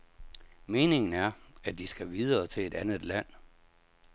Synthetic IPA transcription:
me̝ːne̝ŋn̩æɐæd̥isɡ̥æʋið̞ˠɐːt͡sʰe̝e̝d̥ænð̩ˠlæn̰

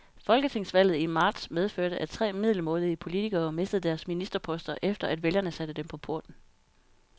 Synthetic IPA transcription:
fɒ̽lɡ̥ət͡sʰe̝ŋ̰sʋæl̰ð̩ˠimɑ̈ːd̥smeð̞ˠføɐɾəʔæt͡sʰʁɛ̰ːmið̰ˠlmɔ̽ːlˠiəpʰo̝lit͡sʰiɡ̥ɐːme̝sd̥əð̞̩ˠd̥æɐsminisd̥ɐpʰɒ̽sd̥ɐʔefd̥ɐʔæd̥ʋeljɐnəsæd̥əd̥empʰɒ̽pʰo̝ɐd̥n̩

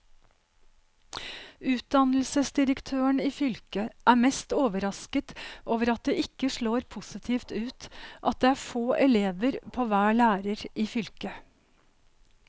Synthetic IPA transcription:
ʉːt̪̚d̪ɑnl̩səsd̪ɪɾəkt̪ʰøːəɳiːfʏlkəʔæːmɛst̪oːʋəɾɑskət̪ʔoːʋəɾɑt̪̚d̪eːʔɪkːəʂɭoːɾpʰʊsɪt̪ʰiːft̪ʉːt̪ʔɑt̪̚d̪eːæːfoːʔɛleːʋəɾpʰoːʋæːɭæːɾəɾiːfʏlkə

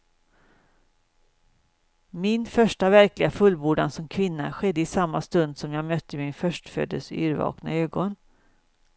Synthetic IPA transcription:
mɪnfœʂʈavæɾklɪɡafɵlbuːɖansɔmkʰvɪnːaɧɛd̪ːəɪsamːast̪ɵnd̪sɔmjɑːɡmœt̪ʰːəmɪnfœʂʈfø̰ːd̪ə̰lsy̰ːɾvɑ̰ːkna̰øːɡɔn

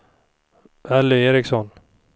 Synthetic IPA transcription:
ɛlːʏeːɾɪksɔn

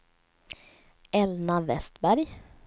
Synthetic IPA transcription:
ɛlnavɛst̪bæɾj

